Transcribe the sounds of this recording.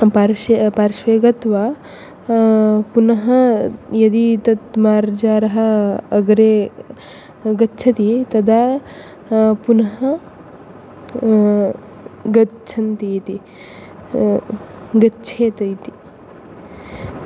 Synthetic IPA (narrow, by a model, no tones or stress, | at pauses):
paɾepaːɾʃʋeːɡɐt̪ʋa | punɐɦɐjɐd̪it̪ɐt̪maːɾd͡ʒaːɾɐɦɐ̆ɐɡɾeː | ɡɐtːt͡ʃʰɐt̪it̪ɐd̪a | punɐɦɐ | ɡɐt͡ʃʰɐnt̪iːt̪i | ɡɐt͡ʃʰeːt̪ɐjt̪i